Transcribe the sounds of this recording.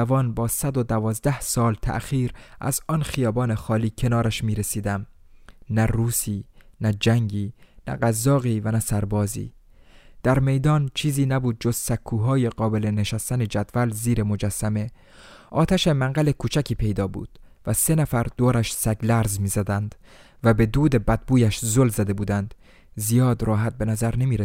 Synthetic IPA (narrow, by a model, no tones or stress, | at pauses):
ævɒːnbɒːsæd̪o̞d̪ævɒːzd̪æhsɒːlt̪ʰæ̰ʔxiːɾʔæ̰zɒːnxijɒːbɒːnexɒːliːcʰe̞nɒːɾæʃmiːɾesiːd̪æmnæruːsiːnæd͡ʒæŋɟiːnæ̰ɢæzːɒːɣiːvænæsæɾbɒːzḭː | d̪̥æɾme̞jd̪ɒːnt͡ʃʰiːziːnæbuːd̪̚d͡ʒo̞z̥sækʰːuːɦɒːje̞ɢɒːbe̞leneʃæst̪æne̞d͡ʒæd̪̥vælziːɾemo̞d͡ʒæsːæme̞ | ʔɒːt̪ʰæʃemæŋɢæle̞kʰuːt͡ʃʰækʰiːpʰe̞jd̪ɒːbṵːd̪̥ | væse̞næfæɾd̪̥oːɾæʃsæɡlæɾzmiːzæd̪ænd̪̥ | væbe̞d̪uːd̪e̞bæd̪̚buːjæʃzolzæd̪e̞buːd̪ænd̪̥ | zijɒːd̪ɾɒːɦæt̪̚be̞næzæɾne̞miːɾe